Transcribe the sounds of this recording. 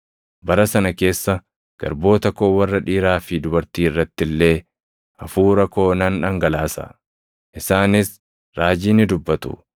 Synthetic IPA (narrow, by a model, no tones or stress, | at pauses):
bɐɾɐsɐnɐke̞ːsːɐ | ɡ̥ɐ̰ɾbo̞ːt̪ɐkoːwɐrːɐᶑiːɾaːfɪd̪ʊbɐɾt̪iːɪrːɐt̪ːɪlːe̞ː | ʔɐfuːɾɐko̞ːnɐnᶑɐŋɡɐlaːsɐ̰ | ʔɪsaːnɪs | ɾaːd͡ʒiːnɪd̪ʊbːɐt̪ʊ̰